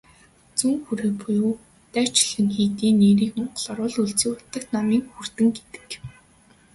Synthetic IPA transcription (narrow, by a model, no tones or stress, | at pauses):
t͡suŋxuɾĕpujuː | t̪æːw̥t͡ɕɪɮɘ̆ŋxiːt̪iːneːɾiːkmʊɴɢə̆ɮɔɾʊːɮuɮt͡siːʊt̪ːə̆k̚t̪namiːŋxur̥t̪ɘ̆ŋɡet̪ɘ̥̆k